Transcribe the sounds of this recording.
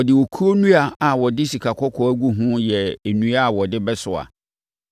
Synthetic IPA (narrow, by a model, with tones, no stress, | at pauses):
ɔ˨dɪ˨wɔ˨kʰu˦o˦nũ˦a˨a˨wɔ˨dɪ˦si˨kʰa˨kʰɔ˦kʰɔ˨æ˦ɡu˦ɦũ˦jɛ˨e˨nũ˦a˦a˨wɔ˨dɪ˦bɛ˦sʊ˨a̰˨